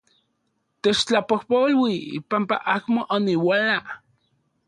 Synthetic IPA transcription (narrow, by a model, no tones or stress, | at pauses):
t̪et͡ʃt͡ɬapohpolwiḭpampa̰ʔakmoʔoniwala